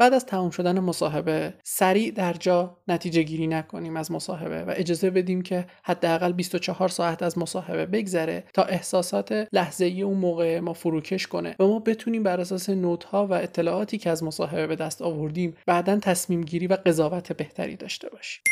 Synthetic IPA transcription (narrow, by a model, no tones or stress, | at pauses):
b̥æːʔd̪æz̥t̪ʰæmuːmʃo̞d̪ænemosɒːɦe̞be̞sæɾiːʔd̪æɾd͡ʒɒːnæt̪ʰiːd͡ʒe̞ɟiːɾiːnækʰo̞̰niːmæzmosɒ̰ːɦe̞̰bḛvæ̰ʔe̞d͡ʒɒːze̞be̞d̪iːmcʰe̞hæd̪ːeæɣælbist̪ot͡ʃʰɒhɒːɾsɒːæt̪ʰæzmosɒːhe̞be̞be̞ɟzæɾe̞̰t̪ʰɒːʔe̞hsɒːsɒːt̪ʰe̞læhze̞ije̞unmoːɣeemɒːfuɾuːcʰe̞ʃko̞nḛvæmɒːbe̞t̪ʰuːniːmbæɾæs̬ɒːse̞noːt̪ʰhɒːvæe̞t̪ʰːe̞lɒːʔɒːt̪ʰiːcʰeæzmosɒːɦe̞be̞be̞d̪æst̪ɒːvo̞ɾd̪iːmbæʔd̪ænt̪ʰæsmiːmɟiːɾiːvæɡe̞zɒːvæt̪ʰe̞be̞ht̪ʰæ̰ɾḭːd̪ɒ̰ːʃt̪e̞̰bɒːʃi̥m